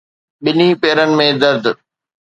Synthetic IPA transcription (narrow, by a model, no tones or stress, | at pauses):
ɓɪnipeːɾənɪ̆mẽd̪ɐɾd̪